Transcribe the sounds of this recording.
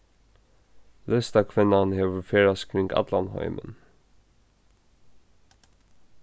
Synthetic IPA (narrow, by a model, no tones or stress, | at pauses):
lœst̪ɑkʰʋɛnɑnheːʋəfeːɹɑskʰɾɪŋɡɑ̰t̪lɑnhɑ̰ʏmʔə̰n